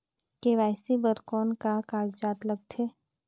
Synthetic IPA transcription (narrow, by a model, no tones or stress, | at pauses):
keʋaːsibəɾkɔːnkakaːɡd͡ʒaːt̪ləɡ̚t̪ʰeː